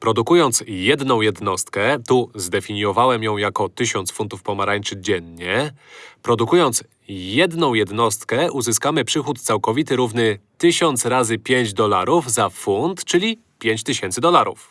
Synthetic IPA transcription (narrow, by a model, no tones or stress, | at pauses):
pɾɔd̪ukujɔnt̪sjɛd̪nɔ̃w̃jɛd̪nɔst̪kɛt̪uzd̪ɛfʲiɲjɔvawɛmjɔ̃w̃jakɔt̪ɘɕɔnt̪sfunt̪ufpɔmaɾaɲt͡ʂɘd͡ʑɛnɲɛpɾɔd̪ukujɔnt̪s | jɛd̪nɔ̃w̃jɛd̪nɔst̪kɛʔuzɘskamɘpʂɘxut̪t̪sawkɔvʲit̪ɘɾuvnɘt̪ɘɕɔnt̪sɾazɘpʲjeɲd͡ʑd̪ɔla̰ɾuvzafunt̪t͡ʂɘlʲi | pʲjeɲt͡ɕt̪ɘɕɛnt̪sɘd̪ɔlaɾṵf